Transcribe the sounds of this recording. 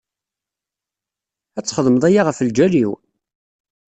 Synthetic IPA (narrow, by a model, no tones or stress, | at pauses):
æt͡sːχəðˤməðˤæjaʁəfəld͡ʒæliw